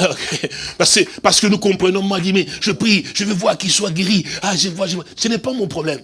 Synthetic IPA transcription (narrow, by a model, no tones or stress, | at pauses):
okʰepaʁsəkəpaʁsə̥kənukɔ̃pχənɔ̃mɔ̃ad̪iʁmɛ̃ʒəpχiʒ̥əvəvwaʁkilswaɡeʁiaʒəvwaʁʒəasənɛpamɔ̃pχɔblɛm